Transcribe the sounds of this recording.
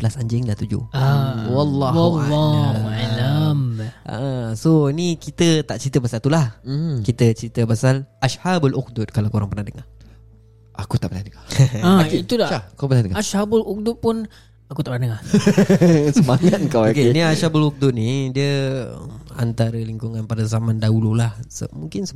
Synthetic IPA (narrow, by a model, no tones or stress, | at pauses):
pəlasaɲd͡ʒɪŋlaht̪ud͡ʒṵawɑlːɔwalːɔalama̰ʔəsonikit̪ət̪aʔt͡ʃɾit̪əpasalt̪ulah̩kit̪ət͡ʃɾit̪əpasalaʃhabalʔʊk̚d̪ʊt̪̚kalawkoɾaŋpərnahdəŋa | akut̪a̰ʔbənadəŋaait̪ulaakapənahdəŋaaʃhabʊluk̚dʊt̪̚pʊn | akut̪aʔbənadəŋa | səmaŋat̪̚kawokeniaʃabəluk̚d̪ʊt̪̚nidiə̰ | a̰nt̪aɾəliŋkuŋanpadazamandaulolahsmuŋkɪns